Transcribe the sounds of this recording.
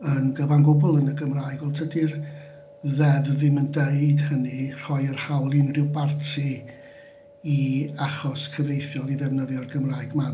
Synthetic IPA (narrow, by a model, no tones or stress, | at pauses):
ənɡəvanɡʊbʊlˠənəɡəmraːɨɡɔlˠtʰədir | ðɛvvɪməndeɨd̥hənir̥ɔjərhawlˠɪnrɪwbartʰi | iaχɔskʰəvejθjɔlˠiðɛvnəðjɔrɡəmraːɨɡma